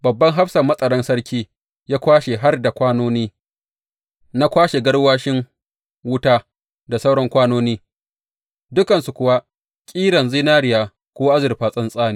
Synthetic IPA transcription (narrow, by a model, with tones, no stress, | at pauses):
bɐ˨bːɐ˦ŋɦa˦ɸsɐ˨mːɐ˦sʼɐ˨ɽɐ˦nsɐ˦ɽkʲiː˦ | jaː˦kʷaː˦ʃe˨ɦa˦rda˨kʷaː˦noː˦niː˦ | na˦kʷaː˦ʃe˨ɡɐ˦ɽwaː˦ʃɪ˦ŋ | wʊ˦taː˦ | da˨sa˦wɽɔ˦ŋkʷaː˦noː˦niː˦ | dʊ˦kɐ˨nsu˨kʷʊ˨wa˦ | kʲʼiː˦ɽɐ˨nzi˦naː˦ɽɪ˨jaː˨ | kʷoː˦ʔa˦zɪ˨rɸaː˨sʼɐ˦nsʼaː˦niː˦